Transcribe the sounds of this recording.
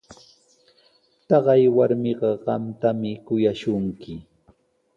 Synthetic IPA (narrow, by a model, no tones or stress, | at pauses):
t̪ɑɢɑjwaɾmɪɢɑɢɑmt̪amɪkʊjaʃʊŋkɪ